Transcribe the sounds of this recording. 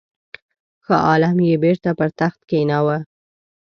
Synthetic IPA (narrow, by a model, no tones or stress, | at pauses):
xəʔɑlamjebeɾt̪apəɾt̪axt̪̚kenawa